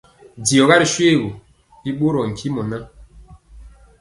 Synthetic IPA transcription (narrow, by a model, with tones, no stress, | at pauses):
di˨ɔ˨ɣa˦ɾi˨ʃwe˦˨ɣo˨ | i˦ɓo˦ɾɔ˨ŋ̩˨kʰi˦mɔ˨na˦